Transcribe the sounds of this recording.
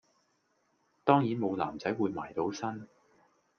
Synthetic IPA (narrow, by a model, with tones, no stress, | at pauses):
t̪ɔː˥ŋjiː˨˥nmo˨˧wla̰ː˨˩mt͡sɐ˨˥jwuː˨˧jmaː˨˩jt̪o˨˥wsɐ˥n